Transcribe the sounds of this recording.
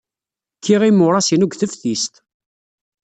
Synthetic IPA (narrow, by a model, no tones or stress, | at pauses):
kʰːiʁimʊɾˤɑsinuɡθəfθist̪